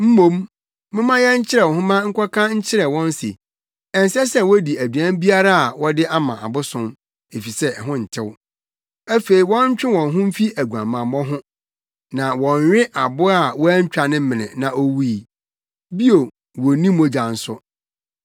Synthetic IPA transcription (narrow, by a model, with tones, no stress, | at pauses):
m̩˦mõ˦m | mɪ̃˦mã˦jɛ˦ɲ̩˦t͡ɕʰɪ˦ɾɛ˨wɔ̃˨ɦʊ̃˦mã˦ŋ̩˦kʰʷɔ˦kʰã˦ɲ̩˦t͡ɕʰɪ˦ɾɛ˨wɔ̃˦nsḛ˨ | ɛ˨n˨sɛ˦sɛ˦wɔ˦di˨æ˨dɥã˦m˦bi˦a˦ɾa˦a˨wɔ˦dɪ˦ʔa˦mã˨a̰˨bʊ˦sʊ̃˦m | e˨fi˨sɛ˦˨ɦʊ̃˦n̩˨tʰɪ˦w | æ˦fe˨ɾi˨wɔ̃˦ɲ̩˦t͡ɕᶣɪ̃˦wɔ̃˨nɦʊ̃˦m̩˦fi˦æ˨ɡu˨ã̰˨mːã˨mmɔ̃˦ɦʊ̃˦ | nã˨wɔ̃˨ɲ˨ɥᶣɪ̃˦ʔa˨bʊ˦a˨wɔ˦æ˦ɲ̩˦t͡ɕᶣa˨nɪ̃˦mɪ̃˨nɪ̰̃˨nã˨ʔo˦wu˦i˨ | bi˦o˨ | wo˨nĩ˦mo˦d͡ʑã˨n̩˦sʊ˦